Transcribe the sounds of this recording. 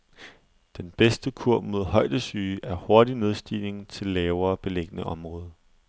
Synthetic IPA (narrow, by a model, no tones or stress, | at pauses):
d̥enb̥esd̥əkʰuɐ̰b̥mo̝ðˠɦɒ̽ɪ̰d̥əsyːʔæɐho̝ɐdine̝ð̞ˠsd̥ḭːle̝ŋt͡sʰe̝lːɛːʊɐːb̥e̝leɡ̥ənəʔɒ̽mʁɔ̽ːð̞ˠə